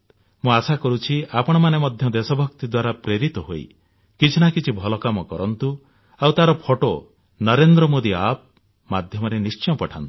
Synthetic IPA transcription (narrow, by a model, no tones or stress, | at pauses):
mũasakɔɾut͡ʃʰiʔapɔɽ̃ɔmanemɔd̪ʱjɔd̪esɔbʱɔkt̪id̪waɾapɾeɾit̪ɔɦo̰ḭ | kit͡ʃʰinakit͡ʃʰibʱɔlɔkamɔkɔɾɔnt̪u | awt̪aɾɔpʰɔʈo̰ | nɔɾend̪ɾɔmod̪iap̚ | mad̪ʱjɔmɔɾenist͡ʃɔ̃pɔʈʰa̰nt̪u̥